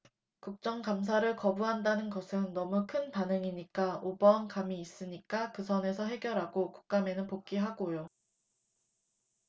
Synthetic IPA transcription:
kuk̚t͡ɕ͈ʌŋkams̬ʰaɾɯɭkʌbuɦandanɯnɡʌsʰɯnːʌmukʰɯnpanɯŋiɲik͈aobʌnkamiːs͈ɯɲik͈akɯsʰʌne̞sʰʌɦe̞ɡjʌɾɦaɡoku̥k̚k͈ame̞nɯnpok͈iɦaɡojo

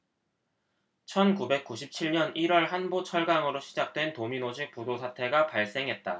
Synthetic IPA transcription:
t͡ɕʰʌnkube̞k̚k͈uɕʰip̚t͡ɕʰiɭɲʌniɾwʌɭhanbot͡ɕʰʌɭɡaŋɯɾoɕʰid͡ʑak̚t͈we̞ntominod͡ʑik̚p͈udosʰatʰe̞ɡapaɭs͈e̞ŋɦe̞t̚t͈a

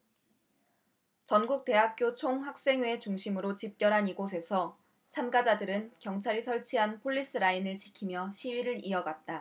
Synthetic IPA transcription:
t͡ɕʌnɡuk̚t͈e̞ɦak̚k͈jot͡ɕʰoŋɸak̚s͈e̞ŋweet͡ɕuŋɕʰimɯɾot͡ɕip̚k͈jʌɾɦaniɡos̬ʰe̞sʰʌ | t͡ɕʰamɡad͡ʑadɯɾɯnkjʌŋt͡ɕʰaɾisʰʌɭt͡ɕʰiɦanpʰoʎːis͈ɯɾainɯɭt͡ɕikʰimjʌɕʰiɥiɾɯɾiʌɡat̚t͈a

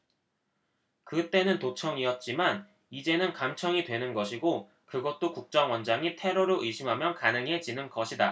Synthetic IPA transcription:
kɯt͈e̞nɯntot͡ɕʰʌŋiʌt̚t͡ɕ͈iman | id͡ʑe̞nɯnkamt͡ɕʰʌŋidwe̞nɯnɡʌɕʰiɡo | kɯɡʌt̚t͈okuk̚t͡ɕ͈ʌŋwʌnd͡ʑaŋitʰe̞ɾoɾoʔɯjɕʰimɦamjʌnkanɯŋɦe̞d͡ʑinɯnɡʌɕʰida

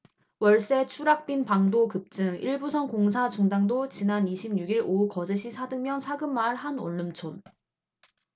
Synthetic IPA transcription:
wʌɭs͈e̞t͡ɕʰuɾak̚p͈inpaŋdokɯp̚t͡ɕ͈ɯŋiɭbusʰʌnkoŋsʰat͡ɕuŋdaŋdot͡ɕinaniɕʰimɲuɡiɾoukʌd͡ʑeɕʰisʰadɯŋmjʌnsʰaɡɯmːaɭhano̰ɭːɯmt͡ɕʰon

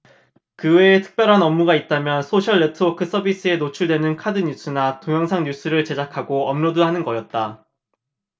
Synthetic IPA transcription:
kɯwe̞ːtʰɯ̥k̚p͈jʌɾɦanʌmːuɡait̚t͈amjʌnsʰoɕʰʌɭːetʰɯwʌkʰɯs͈ʌbis͈ɯe̞not͡ɕʰuɭdwe̞nɯnkʰadɯɲus͈ɯnatoŋjʌŋsʰaŋɲus͈ɯɾɯɭt͡ɕe̞d͡ʑakʰaɡoʌmnoduɦanɯnɡʌjʌt̚t͈a

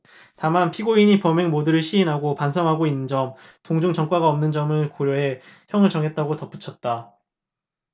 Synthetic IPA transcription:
tamanpʰiɡoiɲipʌmeŋmodɯɾɯɭɕʰiːnɦaɡopansʰʌŋɦaɡoinːɯnd͡ʑʌmtoŋd͡ʑuŋt͡ɕʌŋk͈waɡaʌmnɯnd͡ʑʌmɯɭkoɾjoɦe̞çjʌŋɯɭt͡ɕʌŋɦe̞t̚t͈aɡotʌp͈u̥t͡ɕʰʌt̚t͈a

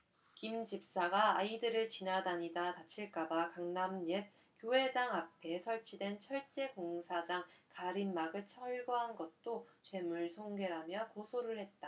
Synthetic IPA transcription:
kimd͡ʑip̚s͈aɡaaidɯɾɯɭt͡ɕinadaɲidatat͡ɕʰiɭk͈abakaŋnamɲet̚ | kjoɦe̞daŋapʰe̞sʰʌɭt͡ɕʰidwe̞nt͡ɕʰʌɭt͡ɕ͈e̞ɡoŋsʰad͡ʑaŋkaɾimːaɡɯɭt͡ɕʰʌɭɡʌɦanɡʌt̚t͈ot͡ɕwe̞muɭsʰoŋɡe̞ɾamjʌkosʰoɾɯɭhe̞t̚t͈a

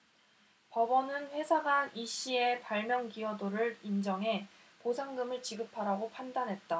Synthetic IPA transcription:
pʌbʌnɯnɸwe̞sʰaɡaniɕ͈ʰie̞paɭmjʌŋɡiʌdoɾɯɭind͡ʑʌŋɦe̞ | posʰaŋɡɯmɯɭt͡ɕiɡɯpʰaɾaɡopʰandanɦe̞t̚t͈a

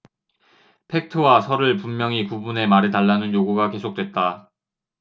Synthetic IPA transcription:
pʰe̞k̚tʰɯwasʰʌɾɯɭpummjʌŋikubune̞maɾetaɭːanɯnjoɡuɡake̞sʰok̚t͈we̞t̚t͈a

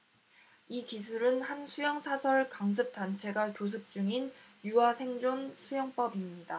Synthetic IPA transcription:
ikisʰuɾɯnhansʰujʌŋsʰasʰʌɭkaŋs̬ʰɯp̚t͈ant͡ɕʰe̞ɡatos̬ʰɯp̚t͡ɕ͈uŋinjuasʰe̞ŋd͡ʑonsʰujʌŋp͈ʌbimɲida

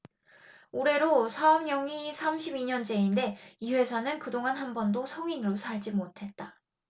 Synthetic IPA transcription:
oɾe̞ɾosʰaʌmɲʌŋisʰamɕʰibiɲʌnd͡ʑe̞inde̞iwe̞sʰanɯnkɯdoŋanɦanbʌndosʰʌŋinɯɾosʰaɭd͡ʑimotʰe̞t̚t͈a

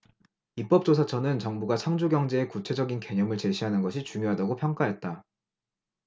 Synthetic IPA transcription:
ip͈ʌp̚t͡ɕ͈os̬ʰat͡ɕʰʌnɯnt͡ɕʌŋbuɡat͡ɕʰaŋd͡ʑuɡjʌŋd͡ʑe̞ːkut͡ɕʰe̞d͡ʑʌɡinke̞ɲʌmɯɭt͡ɕe̞ɕʰiɦanɯnɡʌɕʰit͡ɕuŋjoɦadaɡopʰjʌŋk͈aɦe̞t̚t͈a

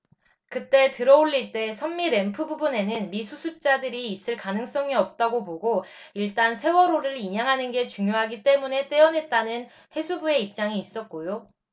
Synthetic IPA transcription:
kɯt͈e̞tɯɾʌoʎːiɭt͈e̞sʰʌmːiɾe̞mpʰɯbubune̞nɯnmisʰusʰup̚t͡ɕ͈adɯɾiːs͈ɯɭkanɯŋs͈ʌŋiʌp̚t͈aɡopoɡoiɭt͈ansʰe̞wʌɾoɾɯɾiɲaŋɦanɯnɡe̞t͡ɕuŋjoɦaɡit͈e̞mune̞t͈e̞ʌnɦe̞t̚t͈anɯn | he̞sʰubue̞ip̚t͡ɕ͈aŋiːs͈ʌt̚k͈ojo

